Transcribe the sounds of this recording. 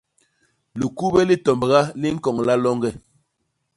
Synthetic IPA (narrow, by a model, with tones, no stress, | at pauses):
lu˨ku˦bɛ˦li˦tɔ˨mbə˨ɣa˦li˦ŋ̩˦kɔ˨ŋla˦lɔ˦ŋɡɛ˦˨